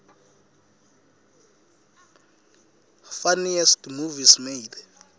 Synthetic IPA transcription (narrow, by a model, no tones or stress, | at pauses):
faniɛstmuvismeid